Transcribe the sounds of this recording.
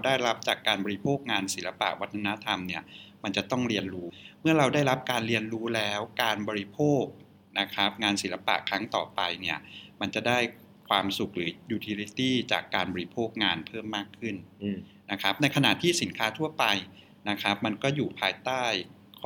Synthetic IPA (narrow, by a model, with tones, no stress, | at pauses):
wdaː˥˩jɾa˦˥p̚t͡ɕaː˨˩kːaː˧nbɔː˧ɾi˦˥pʰoː˥˩k̚ŋaː˧nsi˩˦la˧pa̰˨˩ʔwa˦˥t̪ʰːa˧na˦˥t̪ʰa˧mni˥˩ɐma˧nt͡ɕa˨˩t̪ɔ˥˩ŋɾi˧ənɾuː˦˥mɯ˥˩ɐɾa˧wdaː˥˩jɾa˦˥p̚kaː˧nɾi˧ənɾuː˦˥lɛː˦˥wkaː˧nbɔː˧ɾi˦˥pʰoː˥˩k̚ | na˦˥kʰa˦˥p̚ŋaː˧nsi˩˦la˧pa̰˨˩ʔkʰɾa˦˥ŋt̪ɔ̰ː˨˩pa˧jni˥˩ɐma˧nt͡ɕa˨˩ʔdaː˥˩j | kʰwaː˧msu˨˩k̚ɾɯː˩˦juː˧t̪ʰi˧li˦˥t̪iː˥˩t͡ɕaː˨˩kːaː˧nbɔː˧ɾi˦˥pʰoː˥˩k̚ŋaː˧npʰɤː˥˩mːaː˥˩kʰːɯ˥˩n | na˦˥kʰa˦˥p̚na˧jkʰa˧na˨˩ʔt̪ʰiː˥˩si˩˦nkʰaː˦˥t̪ʰu˥˩ɐpa˧j | na˦˥kʰa˦˥p̚ma˧nkɔː˥˩juː˨˩pʰaː˧jt̪aː˥˩j | kʰ